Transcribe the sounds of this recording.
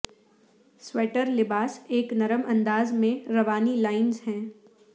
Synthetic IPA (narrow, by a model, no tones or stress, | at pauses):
swɛːʈəɾlɪbaːseːknɐɾəmʔɐ̃nd̪aːzmẽɾɐʋaːnilaːɪnzɦɛ̃ː